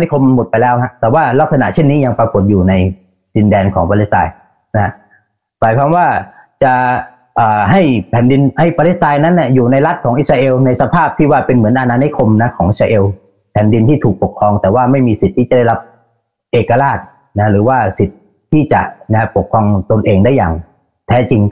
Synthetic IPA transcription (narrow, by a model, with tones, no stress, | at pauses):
ni˦˥kʰo˧mmo˨˩t̪̚pa˧jlɛː˦˥wha˦˥ʔt̪ɛː˨˩waː˥˩la˦˥k̚sa˧na̰˨˩ʔt͡ɕʰe˥˩nːiː˦˥ja˧ŋpa˧ko˨˩t̪̚juː˨˩na˧j | di˧ndɛː˧nkʰɔː˩˦ŋpaː˧li˦˥t̪a̰ː˧j | na˦˥ha˦˥ʔ | maː˨˦jkʰwaː˧mwaː˥˩ | t͡ɕa˨˩ʔ | ʔɤː˨˩ɦa˥˩jpʰɛː˩˦ndi˧nha˥˩jpaː˧li˦˥s̚t̪aː˧jna˦˥nːa˥˩juː˨˩na˧jla˦˥t̪̚kʰɔː˩˦ŋʔi˧˥˩ɾaː˧ʔeː˧wna˧jsa˧pʰaː˥˩p̚t̪ʰiː˥˩waː˥˩pe˧nmɯ˩˦ənʔa˧naː˧ni˦˥kʰo˧mna˦˥kʰɔː˩˦ŋʔi˧˥˧aː˧ʔeː˧w | pʰɛː˩˦ndi˧nt̪ʰiː˥˩t̪ʰuː˨˩k̚po˨˩kʰːɾɔː˧ŋt̪ɛː˨˩waː˥˩ma˥˩jmiː˧si˨˩t̪ʰːiː˥˩t͡ɕa˨˩da˥˩jla˦˥p̚ | ʔeː˨˩kːa˧laː˥˩t̪̚ | na˦˥ɾɯː˩˦waː˥˩si˨˩t̪̚ʰː | iː˥˩t͡ɕa̰˨˩ʔna˦˥po˨˩kʰːɾɔː˧ŋt̪o˧nʔeː˧ŋdaː˥˩jːa̰ː˨˩ŋ | t̪ʰɛː˦˥t͡ɕi˧ŋ